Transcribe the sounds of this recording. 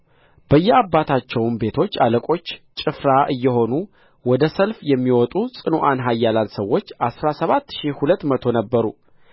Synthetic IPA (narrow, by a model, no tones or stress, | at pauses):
b̥əjːɛabːat̪ʰat͡ʃːɛwnbe̞t̪ʰo̞t͡ʃːaləkʼo̞t͡ʃːt͡ʃʼɨfɾaʔɨjːɛɦo̞nu | wɔd̪əsəlfjɛmːiwɔt̪ʼusʼɨnoʔanɦajːalalsəwːo̞t͡ʃːʔasɾasəβat̪ːʃihulət̪ːmət̪ʰo̞nəbːəɾu